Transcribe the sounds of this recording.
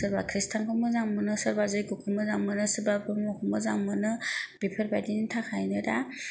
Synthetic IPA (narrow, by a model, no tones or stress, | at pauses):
sɯɾbakʰɾistʰaŋkʰɯmɯzaŋmɯnɯsɯɾbazɯjkukʰumɯzaŋmɯnɯsɯɾbabɯmɔkʰɯmɯzaŋmɯnɯb̥ipʰəɾbajdinitʰakʰajnɯda